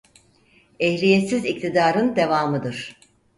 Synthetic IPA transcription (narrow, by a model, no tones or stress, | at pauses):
ɛhlʲijesizic̚t̪ʰid̪aːɾɯnd̪e̞vaːmɯd̪ɯɾ̥